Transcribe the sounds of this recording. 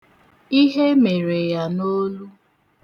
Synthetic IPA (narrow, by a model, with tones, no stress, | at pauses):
i˦ɦe˦me˨ɾe˨ja˨no˦lu˦